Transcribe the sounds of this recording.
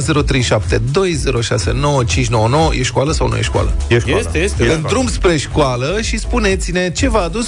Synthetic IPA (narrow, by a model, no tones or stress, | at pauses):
ze̞ɾo̞t̪ɾejʃapt̪e̞d̪o̞jze̞ɾo̞ʃase̞̰no̞wət͡ʃint͡ʃʲno̞wəno̞wəjʔeʃkualəsawnṵjḛʃkwa̰lə̰ʃsɨnd̪ɾumbspɾe̞ʃkualəʃispunet̪sine̞t͡ʃe̞vaːd̪us